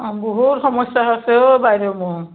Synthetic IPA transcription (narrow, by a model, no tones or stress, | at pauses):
bɔɦutxɔmɔsaɦaseobajɾomu